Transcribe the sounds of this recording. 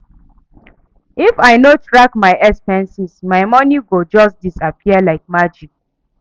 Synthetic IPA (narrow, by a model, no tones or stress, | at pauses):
ifaɪnotɹakmaɪʔɛkspɛ̃nsismaɪmɔniɡod͡ʒɔst̚disapiəlaɪk̚mad͡ʒik̚